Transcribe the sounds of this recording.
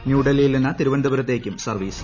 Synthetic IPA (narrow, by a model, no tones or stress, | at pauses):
njuːɖɐlijilninːɐt̪iɾuʋɐnd̪ɐbɐɾɐt̪ːe̞ːkʲːumsɐrʋiːs